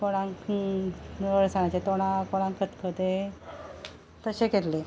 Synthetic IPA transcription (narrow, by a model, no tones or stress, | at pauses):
koɽ̃ãŋk | əɾsaɳat͡ɕet̪oɽ̃ãkoɽ̃ãŋkət̪kʰəd̪e | t̪əɕeket̪le